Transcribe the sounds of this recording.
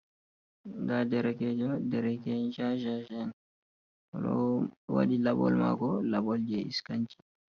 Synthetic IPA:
ɡadɛɾɛkɛd͡ʒɔdɛɾɛkɛnd͡ʒaʒaʒɛn | ɔɗɔ̰wa̰ɗilabɔ̰lma̰ɡɔlabɔld͡ʒɛiskaɲt͡ʃi̥

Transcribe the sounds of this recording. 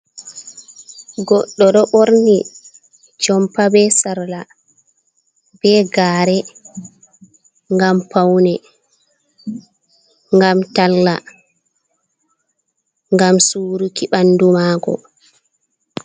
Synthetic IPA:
ɡɔɗːɔɗɔɓoɾni | t͡ʃɔmpabɛsaɾla | b̥ɛɡaːɾɛ | ŋɡampawnɛ | ŋɡamtalːa̰ | ŋɡamsuːɾukiɓandumaːɡɔ̰

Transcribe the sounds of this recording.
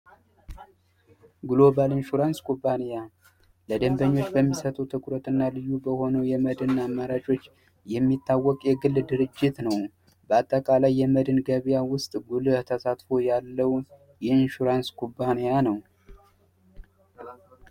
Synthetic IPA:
ɡlobalɨnʃuɾanskʰʼubːaneja | ləd̪əmbəɲːo̞t͡ʃːbəmːisət̪ʰʼəwt̪ʰɨkʷʼɾət̪ʼɨnːalɨjːubəho̞nəwjɛməd̪ɨnːamːaɾat͡ʃʼo̞t͡ʃː | jɛmːit̪ʰːawːɔkʼjɛɡɨlːd̪ɨɾɨd͡ʒːɪt̪nəw | bəat̪ʼːəkʼalajːɛməd̪ɨnɡəβjawʊst̪ʼɡult̪ʰəsat̪fo̞jalːəw | jɛɨnʃuɾanskʰʼubːanijanəw

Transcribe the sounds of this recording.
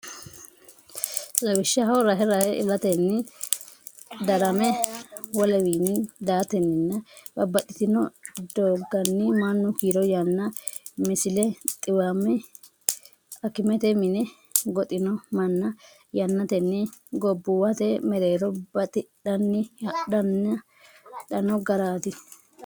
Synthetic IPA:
lɐwɪʃːɐɦɐwɔɾaːɦɛɾaːhɛʔɪ̰lɐt̪ɛnːɪ | d̪ɐɾɐmɛwɔlɛwiːnːɪd̪aːt̪ɛnːɪnːɐbɐbɐt̪ʼɪt̪ɪnɔd̪oːɡɐnːɪmɐnːʊkiːɾɔjɐnːɐmɪsɪlɛt̪ʼɪwamɛ | ɐkɪmɛt̪ɛmɪnɛ | ɡɔt̪ʼɪnɔmɐnːɐ | jɐnːɐt̪ɛnːɪɡɔbːʊwɐt̪ɛmɛɾeːɾɔbɐt̪ʼɪᶑɐnːɪɐɗɐnːɐ | ᶑɐnɔɡɐɾaːt̪ɪ

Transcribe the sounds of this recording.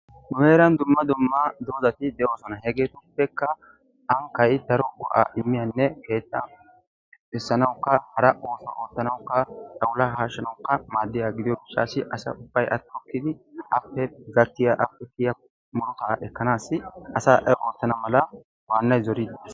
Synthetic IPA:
nʊheːɾɐnd̪ʊmːɐd̪ʊmːɐd̪o̞ːzɐt̪ɪd̪ɛʔo̞ːsɔnɐhɛɡeːt̪ʊpːɛkːɐ | ʔɐŋkɐjɪd̪ɐɾɔɡɔ̰ʔa̰ʔɪmːɪjɐnːɛke̞ːt̪ːɐ | ɪsːɐnɐwkːɐhɐɾɐʔo̞ːsɐ̰ʔo̞ːt̪ːɐnɐwʊkːɐtʼɐwlɐɦaːʃːɐnɐwʊkːɐmaːd̪ːɪjaɡɪd̪ɪjɔɡɪt͡ʃːa̰ːsɪʔɐsɐ̰ʊb̥ːɐjʔɐ̰t̪ːɔkːɪd̪ɪʔɐpːɛɡɐt̪ːɪjaʔɐpːɛk̪ɪjɐ | mʊɾɔt̪ɐʔɛkːɐnaːsɪɐsaːʔɛʔo̞ːt̪ːɐnɐmɐlɐ | waːnːɐjzɔɾɪd̪

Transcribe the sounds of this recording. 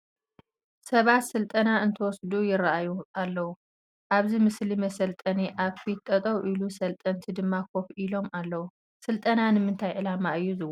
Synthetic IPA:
sɐβat̪sɨlt̪ʼɐnaɨnt̪ʰɐwɔsd̪ujɪɾaʔajuʔalːɐwu | ʔaβzimɨslimɐsɐlt̪ʼɐniʔaβkʰit̪ʼːɐt̪ʼɐwʔilusɐlt̪ʼɐnt̪ʰid̪ɨmːakʰo̞fʔilo̞malːɐwu | sɨlt̪ʼɐnanɨmɨnt̪ʰajʕɨlamaɨjːuzɨwɐ

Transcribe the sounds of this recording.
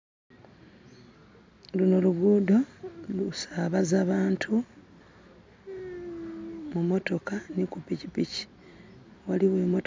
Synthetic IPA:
lunoluɡuːdo̞lusaːβazaβaːntʰu | mumo̞to̞kanikupicipici̥ | waliβweːmot

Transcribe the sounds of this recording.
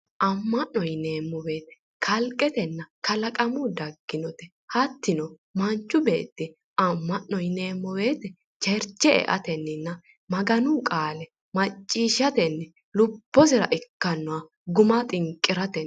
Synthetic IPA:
ʔɐmːɐnːɔjne̞ːmːɔbe̞ːt̪ɛ̥ | kʰɐlkʼːɛt̪ɛnːɐkɐlɐkʼɐmʊd̪ɐɡːɪnɔt̪ɛ | hɐt̪ːɪnɔ | mɐnt͡ʃːʊbḛːt̪ːɪ | ɐmːɐnːɔjne̞ːmːɔbe̞ːt̪ɛ | t͡ʃɛɾt͡ʃːɛɛ̰ʔɐ̰t̪ɛnːɪnːɐ | mɐɡɐnʊkʼaːlɛ | mɐt͡ʃʼːiːʃɐt̪ɛnːɛ | lʊb̥ːɔsɪɾɐʔɪkːɐnːɔwɐ | ɡʊmɐt̪ʼɪŋkʼːɪɾɐt̪ɛ

